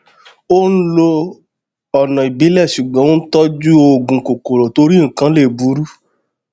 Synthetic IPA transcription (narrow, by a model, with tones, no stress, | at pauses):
o˦n̩˦lo˧ | ɔ˨nɔ̃˨i˨bi˨˦lɛ˦˨ʃu˨ɡ͡bã˨˦tɔ˦d͡ʒu˦o˧˨ɡũ˧ko˨ko˨ɾo˨to˧ɾi˦ŋ̩˨kã˨˦le˦˨bu˨˦ɾu˦